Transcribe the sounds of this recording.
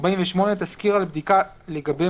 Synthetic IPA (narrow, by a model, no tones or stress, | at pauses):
baiɱveʃmo̞net̪askiʁalbd̪ika | leɡabe